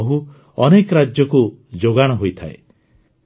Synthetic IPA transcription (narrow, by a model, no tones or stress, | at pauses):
ɦu | ɔnekɔɾad͡ʒjɔkud͡ʒoɡaɽ̃ɔɦojt̪ʰaḛ